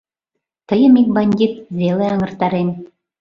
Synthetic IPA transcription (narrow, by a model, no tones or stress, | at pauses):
t̪ɤ̆jɤmik̚banʲd̪ʲit̪vʲelˠɤjɑŋɤ̆rt̪ɑɾenʲ